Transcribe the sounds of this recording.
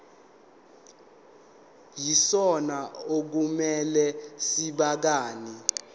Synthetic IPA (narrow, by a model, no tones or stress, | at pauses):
jisɔnaok̬umɛlɛsiɓak̬aːni